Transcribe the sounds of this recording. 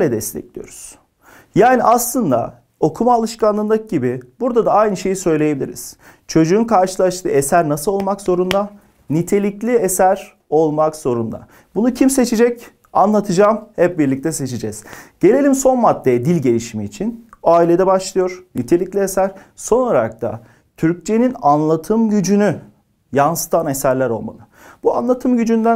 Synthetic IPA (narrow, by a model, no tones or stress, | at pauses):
lʲɛd̪ɛst̪ʰɛ̰clʲijo̰ɾuz̥ | jaːniʔaslˠɯnd̪a̰ | o̞kʰumaːlˠɯʃkanlˠɯnˠɯk̚ɟibibuɾd̪ad̪aajnɯʃe̞jisø̞jlʲejebilʲḭɾḭz̥ | t͡ʃʰo̞d͡ʒuːnkʰaɾʃɯlˠaʃt̪ʰɯ̰ːesæɾnasɯlˠo̞lˠmakzo̞ɾund̪a | nit̪ʰe̞lʲiclʲiesæɾ | o̞lˠmakz̥o̞ɾund̪a̰ | bunucʰimse̞t͡ʃʰed͡ʒɛc | anlˠat̪ʰɯd͡ʒaːmhɛp̚biɾlʲic̚t̪ʰɛse̞t͡ʃʰed͡ʒɛz̥ɟ̥e̞lʲe̞lʲimso̞nmat̪ʰːejɛd̪ilʲɟe̞lʲiʃimiːt͡ʃʰinaːilʲe̞d̪ɛbaʃlˠɯjo̞ɾnit̪ʰe̞lʲiclʲiesæɾ̥ | so̞noɾak̚t̪ʰa̰ | t̪ʰyɾc̚t͡ʃʰe̞ninanlˠat̪ʰɯmɟyd͡ʒyny | jansɯ̥t̪ʰane̞sæɾlʲæɾo̞lˠma̰lˠɯ | b̥ua̰nlˠat̪ʰɯmɟyd͡ʒynd̪æ